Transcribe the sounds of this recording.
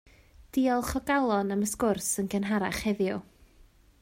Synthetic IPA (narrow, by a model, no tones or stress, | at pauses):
d̥iɔlˠχɔɡalˠɔnəməskʊrsənɡənɦaɾaχhɛðjɔ